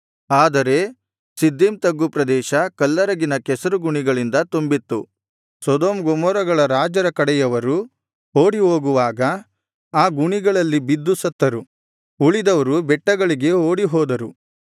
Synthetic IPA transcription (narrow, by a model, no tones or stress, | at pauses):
aːd̪ɐɾe̞ | sid̪ʱːimt̪ɐɡːupɾɐd̪ɛːʃɐkɐlːɐɾɐɡinɐkɛsɐɾuɡuɳiɡɐɭind̪ɐt̪umbit̪ːu | sɔd̪oːmɡomɔːɾɐɡɐɭɐɾaːd͡ʒɐɾɐkɐɽɛjɐʋɐɾu | oːɽiɦoːɡuʋaːɡɐ | aːɡuɳiɡɐɭɐlːibid̪ːusɐt̪ːɐɾu | uɭid̪ɐʋɐɾubɛʈːɐɡɐɭiɡe̞oːɽiɦɔːd̪ɐɾu